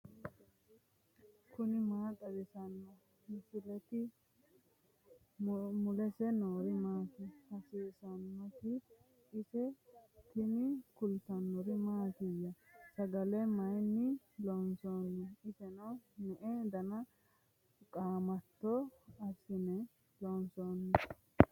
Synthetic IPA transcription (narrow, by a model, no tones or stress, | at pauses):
kʊnɪmaːt̪ʼɐd̪ɪsɐnːɔ | mɪsɪlɛt̪ɪ | mʊlɛsɛnoːɾɪmaːt̪ɛhɐsiːsɐnːɔt̪ɪː | sɛt̪ɪnɪkʊlt̪ɐnːɔɾɪmaːt̪ɪjːɐsɐɡɐlɛmɐjnːɪ | lɔnsɔnːɛɪsɛnɐnɛʔɛd̪ɐnɐ | kʼaːmɐt̪ːɔɐsɪnɛ | lɔnsɔnːɛ